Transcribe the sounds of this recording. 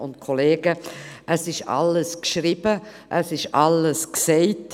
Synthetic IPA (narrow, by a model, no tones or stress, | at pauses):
ʊntkʰoleːɡəʔəsɪʃɑ̰ləskʃɾib̥ə | ʔəsɪʃɑləsksɛɪt